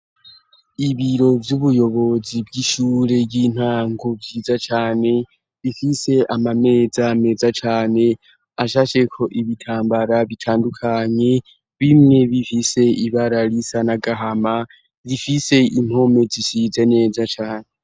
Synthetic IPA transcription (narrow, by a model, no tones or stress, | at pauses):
iβiɾo̞vjuβujo̞βo̞zibɡiːʃuːɾe̞bɡiːn̥haːŋɡo̞vjiːzat͡ʃaːne̞ | βifise̞ʔamame̞ːzame̞zat͡ʃaːne̞ | aʃaʃe̞kʰo̞ʔiβitʰaːmbaɾaβitʰaːndukʰaɲe̞ | βimŋe̞βifise̞iβaɾalisanaɡaɦama | βifise̞im̥ho̞me̞zisize̞ne̞ːzat͡ʃaːne